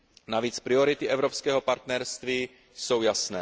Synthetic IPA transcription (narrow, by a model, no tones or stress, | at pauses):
naviːt͡spɾɪo̞ɾɪt̪ɪʔɛvɾopskɛːɦopaɾt̪nɛɾst̪viː | so̞wjasnɛː